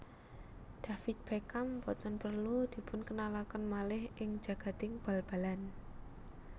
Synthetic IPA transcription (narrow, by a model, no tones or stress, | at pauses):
d̪̥a̤fit̪̚b̥ekampɔt̪ɔnpərlud̪̥i̤pʊnkənalakənmalɪhʔɪŋ̥d͡ʒ̥a̤ɡ̥a̤t̪ɪŋb̥a̤lb̥a̤lan